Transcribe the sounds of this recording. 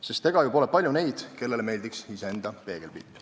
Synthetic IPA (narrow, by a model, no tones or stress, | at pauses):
sest̪ːe̞ɡ̥ɑjupo̞lepɑlʲjune̞jd̪̥ke̞lːe̞leme̞jld̪iksiseend̪̥ɑpe̞ːɡ̥e̞lpḭːpː